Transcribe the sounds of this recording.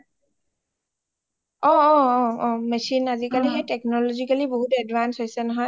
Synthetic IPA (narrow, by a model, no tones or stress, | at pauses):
ɔ̃ | ɔ̃mɛsinazikaliɦejtɛknɔlɔzikaliboɦutɛdvansɦojsɛnɔɦɔj